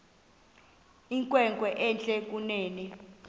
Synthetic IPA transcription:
iŋkʼwɛŋkʼwɛʔɛnt͡ɬʼɛk̬ʼuneːnɛ

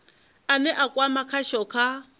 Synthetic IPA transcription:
anɛʔakʼwamakʰaʃɔkʰa

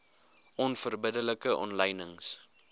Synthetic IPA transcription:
ʔɔnfərbədələkəʔɔ̰nləjnəŋs

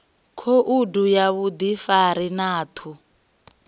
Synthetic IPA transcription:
kʰoʔudujaβud̪ifaɾinaːt̪ʰu

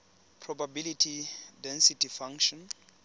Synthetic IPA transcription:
pʰrɔbabilitʰidɛ̃nsitʰifãŋʃɔ̃n

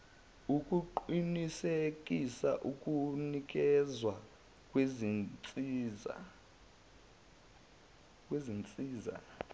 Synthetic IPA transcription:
ukʼuǃinisek̬ʼisaʔukʼunik̬ʼɛzwa | kʼwezt͡sʼia | k̬ʼwezint͡sʼiːza̰

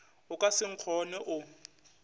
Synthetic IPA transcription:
ʊkʼasɪŋ̩q͡χʰɔnɛʔʊ

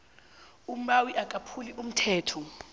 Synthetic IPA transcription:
um̩ɓawiʔakʼapʰuliʔum̩tʰɛːtʰɔ

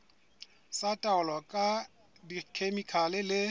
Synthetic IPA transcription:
satʼaʊlɔkʼa | dikʰemikʰalɪlɪ

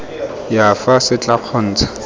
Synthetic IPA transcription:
jafasɪt͡ɬʼaq͡χʰɔn̩ːt͡sḁ

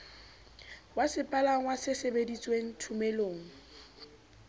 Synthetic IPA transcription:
wasɪpʼalaŋwasɪsebedit͡sʼweŋ̩tʰumɛloːŋ̩

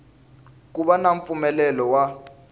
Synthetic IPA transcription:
k̬uɓanaɱfumɛlɛlɔwa

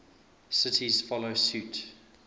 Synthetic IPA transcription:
sɪtʰiz̥fɔloʊsʉˑt

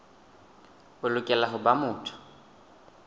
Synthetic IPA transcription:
bʊlʊkʼɛlaɦʊbamʊːtʰʊ̥

